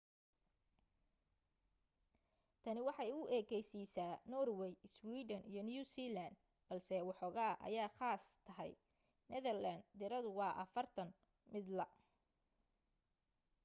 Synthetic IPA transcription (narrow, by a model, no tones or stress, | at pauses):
t̪ʰɐnɪwɑħɑjʊʔɛːkɛjsiːsaːnɔːrwɛjswiːdɐnḭjɞnjuːsiːland̪̚ | b̥ɐlsɛwɑħɔːɣaːʔɐ̰jaːχaːst̪ʰɐɦɛ̰j | nɛðɛrland̪d̪ɪɾɐðʊwɑːʔɐfɐrt̪ʰɐn | mɪd̪lɐ